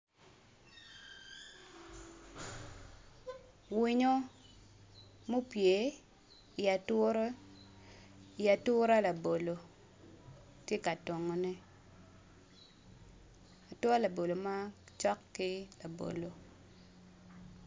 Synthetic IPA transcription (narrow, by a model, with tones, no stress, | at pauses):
wi˦ɲo˦ | mo˦pje˨˦˨ | a˨˦ | i˨a˨tʊ˦ɾa˦la˨bo˨lo˨ | tje˦ka˨twɔ˨ŋo˨nɛ˦ | a˨twɔ˦la˨bo˨lo˨ma˦t͡ʃɔ˦kːɪ˦la˨bo̰˨lo˨